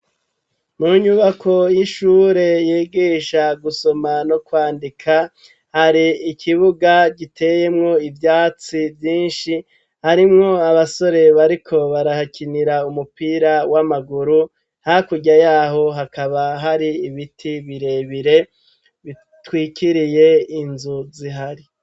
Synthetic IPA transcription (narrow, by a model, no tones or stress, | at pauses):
muːɲuβakʰo̞jiʃuːɾe̞jiːɡiːʃaɡuso̞mano̞kwaːndikʰa | haɾiːkʰiβuɡaɟitʰe̞ːje̞mŋo̞ivjaːt͡sivjiːnʃi | haɾimŋo̞aβaso̞ɾe̞βaɾikʰo̞βaɾahakʰiniɾaumupiːɾawamaɡuɾu | hakuɟajaːɦo̞ɦakaβaɦaɾiːβitʰiβiɾe̞ːβiɾe̞ | βi | twiːkiɾije̞inzuziɦaɾi